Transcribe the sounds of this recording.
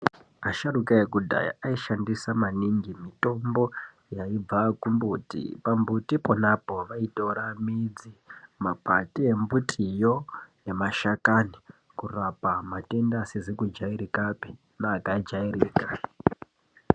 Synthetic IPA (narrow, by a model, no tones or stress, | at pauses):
aʃaɾukaekudʱa̰ja̰aiʃandisamaniŋɡimito̞mbo̞ | jaib͡vakumbutḭpambutiponapo̞ʋaito̞ɾamid͡zimapatie̞mbutʰʼijo̞jemaʃakani | kurapamate̞ndasezikud͡ʒaiɾikapi̥ | naːkaid͡ʒairiːka